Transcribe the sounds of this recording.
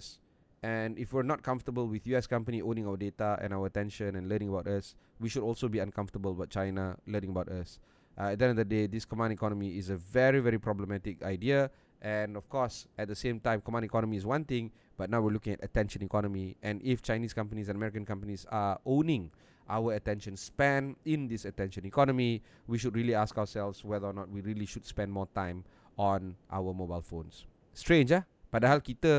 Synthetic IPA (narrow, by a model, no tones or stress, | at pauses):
s | ɛ̃nifwiənɔt̚kʰãɱftəbəlwiθjuɛskãmpəniʔõnɪ̃ŋawədetaɛ̰̃nawəətɛ̃nʃə̃nɛ̃nlənɪ̃ŋəbaʊtaswiʃudɔlsobiãnkʰãɱftəbəlbat̚t͡ʃaɪnalənɪ̃ŋəbaʊtas | ʔɛt̚dɛ̃ndɔdəded̪iskɔmãndikɔnəmiɪsəvɛɹivɛɹipɹɔbləmɛtɪkajdiə | ʔɛ̃nɔfkʰɔsɛt̚d̪əsẽmtãɪ̃mkɔmãnikɔnəmiːs̬wãnt̪ɪ̃ŋ | b̥at̚nawwiəlukɪ̃ŋɛtətɛ̃nʃə̃nikɔnəmiʔɛ̃nift͡ʃaɪniskãmp̬ənisɛ̃nəmɛɹikə̃nkãmpənisaõnɪ̃ŋ | ʔawəətɛ̃nʃə̃nspɛ̃nĩnd̪isətɛ̃nʃə̃nikɔnəmi | wiʃud̚ɹiəliaskaʊəsɛlfswɛðəɔnɔt̚wiɹiəliʃudspɛ̃nmɔtãɪ̃m | ɔ̃nʔa̰wəmobaɪlfõnsː | tɹẽnd͡ʒa | b̥adəhalkitə